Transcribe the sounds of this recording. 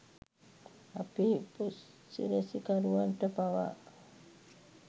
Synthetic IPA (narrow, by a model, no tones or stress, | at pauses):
apipus | sḭɾesikaɾuanʈ̪əpawa̰ʔ